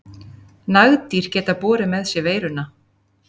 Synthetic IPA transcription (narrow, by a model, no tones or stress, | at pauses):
naɣt̪iɾ̥cɛːt̪apɔːɾɪmɛðsjɛveːjɾʏna